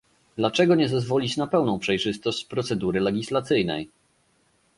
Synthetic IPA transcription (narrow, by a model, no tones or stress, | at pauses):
d̪lat͡ʂɛɡɔɲɛzazvɔlʲit͡ɕnapɛwnɔ̃w̃pʂɛjʐɘst̪ɔɕt͡ɕpɾɔt̪sɛd̪uɾɘlɛɡʲislat̪sɘjnɛ̰j